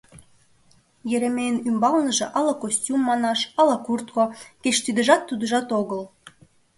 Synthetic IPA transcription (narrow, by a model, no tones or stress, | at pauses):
jĕɾemeənymbɑlnəʒĕʔɑlɑkosʲtʲumːɑnɑʃɑlɑkurt̪̚koket͡ɕt̪yd̪ə̆ʒɑt̪ːud̪əʒɑt̪oɣəl